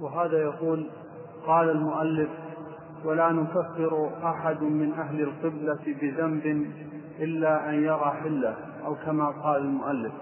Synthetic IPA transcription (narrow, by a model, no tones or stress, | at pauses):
wɪɦaːðajaquːl | qɑːlalmʊʔalːɪf | walanʊkafːɪɾʔaħad̪ʊmɪnʔaɦlalqɨblabɪðambɪn | ʔɪlːaʔanjɑɾˤɑːħɪlːa | ʔawkamaqɑːlalmʊʔalːɪf